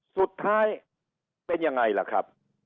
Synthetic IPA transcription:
su˨˩t̪ʰːaː˦˥˩j | pe˧nja˧ŋːa˧jla̰˨˩kʰɾa˦˥p̚

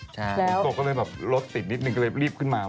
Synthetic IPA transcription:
t͡ɕʰlɛː˦˥ko˨˧˩kɔ˥˩lɤː˧jbɛː˨˩p̚ɾo˦˥t̪̚si˨˩t̪̚ni˦˥t̪̚nɯ˨˩kːlːjɾiː˥˩p̚kʰɯ˥˩nmaː˧

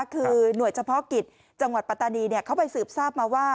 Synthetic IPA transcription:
kʰɯː˧nu˨˩əjt͡ɕʰa˧pʰɔ˦˥ki˨˩t̪̚ | t͡ɕa˧ŋwa˨t̪̚pa˧t̪aː˧niː˧ni˥˩ɐkʰa˦˥wpa˧jsɯː˨˩p̚saː˥˩p̚maː˧waː˥˩

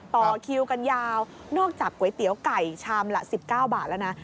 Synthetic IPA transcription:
t̪ɔː˨˩kʰi˧wka˧njaː˧w | nɔː˥˩k̚t͡ɕaː˨˩kːu˩˦jt̪i˨˩˦əwka˨˩jt͡ɕʰaː˧mla̰˧˥ʔsi˨˩p̚kaː˥˩wbaː˨˩t̪̚la˦˥˩wna˦˥

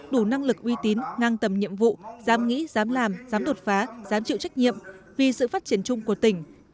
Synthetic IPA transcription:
ɗu˧˩na˧ŋlɨ˨˩k̚ʔwi˧t̪i˨˦nŋaː˧ŋt̪ə˨˩mɲḭ˧˨əmvṵ˧˨zaː˨˦mŋḭ˧˥zaː˨˦mlaː˨˩mzaː˨˦mɗo˨˩t̚faː˨˦z̥aː˨˦mt͡ɕḭ˧˨wt͡ɕa˦˥jk̟̚ɲḭ˧˨əm | vi˨˩sɨ̰˧˨faː˦˥t̚t͡ɕi˧˩ənt͡ɕʊ˧ŋ͡mku˧˩ət̪ï˧˩ŋ̟

